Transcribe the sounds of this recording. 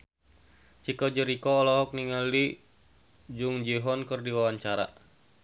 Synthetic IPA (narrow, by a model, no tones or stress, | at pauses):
t͡ʃikɔd͡ʒəɾikɔːlɔɦɔk̚niŋali | d͡ʒuŋd͡ʒiɦɔnkɨrdiwawaɲt͡ʃaɾa̰